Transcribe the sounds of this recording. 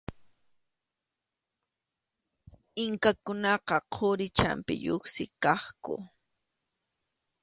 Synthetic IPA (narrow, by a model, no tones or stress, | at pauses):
ɪŋkakʊnɑqɑqʰoɾɪt͡ʃa̰mpɪ̰ʎoχsɪkɑχkʊ̰